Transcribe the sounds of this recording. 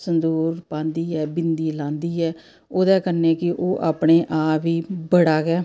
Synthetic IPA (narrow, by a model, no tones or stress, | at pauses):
sənd̪uːɾpãːnd̪iːɛːbɪnd̪iːlãːnd̪iːɛː | oːd̪ɛːkəneːkɪʔoːʔaːpɳeːʔaːʋiːbəɽaːɡɛː